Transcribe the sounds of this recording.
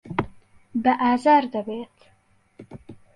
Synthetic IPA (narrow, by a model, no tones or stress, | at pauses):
baʔaːzaɾd̪abet̪